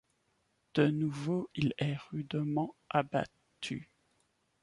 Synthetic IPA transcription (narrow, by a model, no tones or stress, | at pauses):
d̪̥ənuvoilɛʁyd̪mɑ̃aba̰ | tt̪ʰy̰